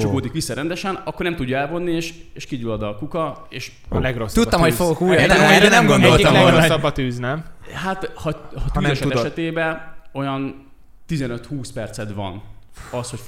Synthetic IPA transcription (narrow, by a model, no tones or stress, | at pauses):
t͡ʃɔɡoːd̪ikʋisːɒɾɛnd̪ɛʃɛnɒkːornɛmt̪uɟːɒɛlvo̞nːieːʃ | eːʃkiɟylɒd̪ɒkukɒ | eːʃ | lɛɡrosːt̪utːb̪ːɔmhofoɡokuːjenɛmɡonɛlteɔmɾosːɒbːɒt̪yːznɛmɦat̪hɒhɒt̪yːzɛʃɛɛʃɛt̪eːbɛo̞jɒn | t̪izɛnø̞t̪huːspɛrt̪sɛd̪ʋɒ̰nɒsho̞